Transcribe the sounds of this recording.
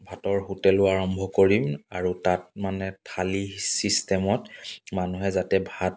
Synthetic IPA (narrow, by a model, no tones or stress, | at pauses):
bʱatɔɹhutɛlʊaɹɔmbʱɔkoɹimaɹutat̚manɛtʰalisistɛmɔtmanuɦɛzatɛbʱat̚